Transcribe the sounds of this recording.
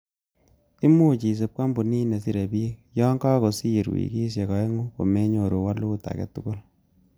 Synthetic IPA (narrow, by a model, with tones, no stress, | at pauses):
ki˦mu˦t͡ʃi˨s̬e˨p̚ka˦mbu˨ni˦nɛ˨si˦ɾɛ˨bi˦k̚jɔ˦ŋka˦ko˨si˦˨ɾwḭ˨ki˦s̬je˨ka˨ɛ˦ŋu˦ko̰˨me˦ɲo˨ɾo˨wa˦lu˦˨ta̰˨kɛ̰˨tʊ˦kʊ˦l